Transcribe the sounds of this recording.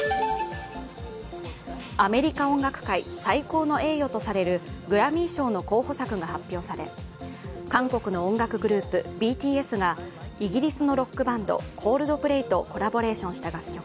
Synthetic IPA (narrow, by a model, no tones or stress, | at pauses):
ame̞ɾʲikaõ̞ŋɡakɯ̟̥kaisaiko̞ːno̞e̞ːjo̞t̪o̞saɾe̞ɾɯ̟ɡɯ̟ɾamʲĩːɕo̞ːno̞ko̞ːho̞sakɯ̟ɡahapʲːjo̞ːsaɾe̞̰ | kãŋko̞kɯ̟no̞õŋɡakɯ̟ɡɯ̟ɾɯ̟ːpɯ̟bʲiːt̪ʲiːe̞sɨɡaiɡʲiɾʲisɨno̞ɾo̞kːɯ̟bãnd̪o̞̰kʰo̞ːɾɯ̟d̪o̞pɯ̟ɾe̞it̪o̞ko̞ɾabo̞ɾe̞ːɕõɰ̃ɕi̥t̪aɡakʲːo̞kɯ̥